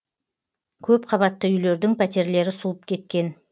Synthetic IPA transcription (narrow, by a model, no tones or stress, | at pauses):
kʲʰɵpqʰɑβɑt̪ːəʏjle̞ɾd̪ɪŋpʰæt̪e̞ɾle̞ɾɪsulˠəp̚kʲʰe̞t̪̚kʲe̞n